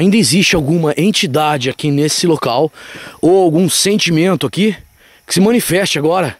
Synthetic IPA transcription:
aĩnd̪ɐɪzist͡ʃɪawɡũmɐʔẽnt͡ʃid̪ad͡ʒɪakinesɪlokawowawɡũsẽnt͡ʃimẽnt̪ʊaki | kɪ̥sɪmɐ̃nifɛst͡ʃɪaɡɔɾɐ

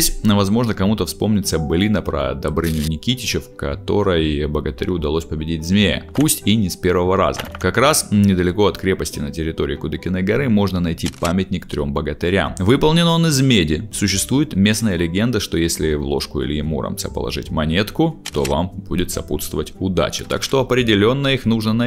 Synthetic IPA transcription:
esʲvɐzmo̞ʐnəkɐmut̪əfspo̞mnʲɪt̪səbɨlʲinəpɾə̰d̪ɐbɾɨnʲjʊnʲɪkʲitʲɪt͡ɕɪfkɐt̪o̞ɾəjbəɡət̪ɨɾʲuʊd̪ɐlˠo̞sʲpəbʲɪdʲitʲzmʲejə̰pusʲtʲinʲɪspʲe̞rvəvəɾa̰zə̰kɐkɾasnʲɪd̪əlʲɪko̞ɐt̪kɾʲe̞pəsʲtʲɪnətʲɪɾʲɪt̪o̞ɾʲɪːkʊd̪ɨkʲɪnːəjɡɐɾɨmo̞ʐnənɐjtʲipamʲɪt̪ʲnʲɪkt̪ɾʲo̞mbəɡət̪ɨɾʲa̰mvɨpəlˠnʲɪnonɨzmʲedʲɪsʊɕːɪst̪vujɪt̪mʲe̞snəjəlʲɪɡʲe̞nd̪əʂt̪o̞jesʲlʲɪvlˠo̞̰ʂkʊḭlʲɪɪmuɾa̰mtsəpə̰lˠɐ̰ʐɨ̰tʲmɐnʲe̞t̪kʊt̪o̞va̰mb̥udʲɪt̪sɐput̪st̪vəvətʲʊd̪a̰t͡ɕɪ̥t̪a̰kʂt̪oɐpɾʲɪdʲɪlʲo̞nːəixnuʐnənɐ

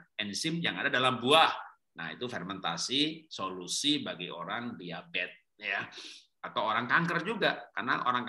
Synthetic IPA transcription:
ɛnsɪmjaŋadadalambuah | na̰hḭt̪ufɛrmɛnt̪a̰sisolusibaɡio̰ɾaŋbiabɛt̪̚ja | at̪awoɾaŋkaŋkərd͡ʒuɡakarna̰ʔo̰ɾaŋk

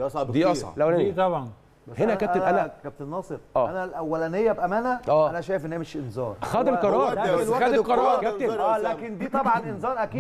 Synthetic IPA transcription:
ɑsˤd̪iːʔɑsˤʕɑ̰læwenit̪ˤɑbʕɑn | bæhenækæenʔælækæb̚t̪enːɑːsˤeɾʔæːænælʔæwːælænejːæbʔæmæːnæʔæːænæʃæːjefʔenːhiːmeʃʔenzɑ̰ːɾˤxæd̪elqɑɾˤɑːɾˤæsæxæd̪eqɑɾˤɑːɾˤɡæb̚t̪elækend̪iːt̪ˤɑbʕɑʔenzɑːɾˤʔækiː

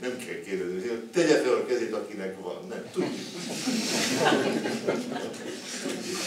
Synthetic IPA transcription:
nɛmkʰɛlkeːrd̪ɛzniseːt̪ɛɟɛt̪ølkɛzeːt̪ɒkinɛkʋɒ̰nːɛmt̪uɟːuk | t̪uɟːu

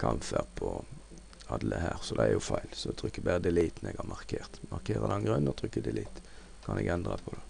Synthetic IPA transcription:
kʰɑmfæʁpʰɔ | ɑd̪lʔəhæːʁsɔd̪ɛɛɾjʊfæɪlsɔɛt̪ʰʁʏkːəbæʁəd̪ɛliːt̪n̩ɛɡɑʁmʔɑʁkʰeːʁt̪mɑʁkʰeːɾʁəd̪ɑnɡʁʉnːɔt̪ʰɾʏkːəd̪ɛliːt̪ | kʰɑnɛɡɛnd̪ʁɑpʰɔd̪ɛ

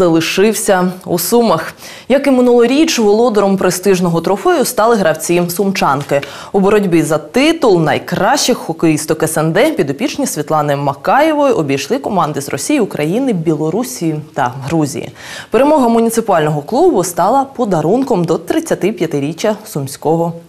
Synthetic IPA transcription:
zɐlˠɪʃɪwsʲɐusumɐx | jɐkɪmɪnulˠɔɾʲit͡ʃʋɔlˠɔd̪ɔɾɔmpɾɪst̪ɪʒnɔɦɔt̪ɾɔfɛjʊst̪ɑlˠɪɦɾɐwt͡sʲisʊmt͡ʃɑnkɪ | ubɔɾɔdʲbɪzɐt̪ɪt̪ʊlˠnɐ̰jkɾɑʃɪxːɔkɪjist̪ɔkɛsɛnd̪ɛpʲid̪ɔpʲit͡ʃnʲisʲʋʲit̪lˠɑnɪmɐkɑjɛʋɔjʊʔɔbʲijʃlˠɪkɔmɑnd̪ɪzrɔ̰sʲijiʊkɾʔɐjinɪbʲilˠɔɾusʲijit̪ɐɦɾuzʲḭjḭ | peɾemɔɦɐmʊnʲit̪sɪpʊɑlʲnɔɦɔklˠubʊst̪ɑlˠɐpɔd̪ɐɾunkɔmd̪ɔt̪ɾɪt͡sʲːɐt̪ɪpʲjɐt̪ɪɾʲit͡ʃːɐsʊmsʲkɔɦɔ

